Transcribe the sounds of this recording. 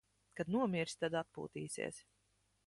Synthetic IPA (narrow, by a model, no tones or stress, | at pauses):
kad̪nuɔmʲiɾsʲt̪ad̪at̪̚pṵːt̪iːsʲḭɛs